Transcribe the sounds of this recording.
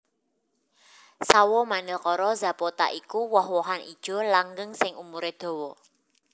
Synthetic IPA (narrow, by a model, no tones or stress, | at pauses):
sawɔmanɪlkɔɾɔza̤pot̪a̰ʔikuwɔhwɔɦanʔid̥ʒ̥ɔ̤laŋɡəŋsɪŋumuɾed̪̥o̤wɔ